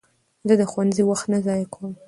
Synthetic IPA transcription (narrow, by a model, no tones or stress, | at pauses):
d̪əd̪əxwanziwaxt̪nazɑjkʰwəm